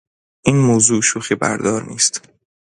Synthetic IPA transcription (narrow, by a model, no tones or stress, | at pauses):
ʔiːnmoːzuːʃuːxiːbæ̰ɾd̪ɒːɾniːst̪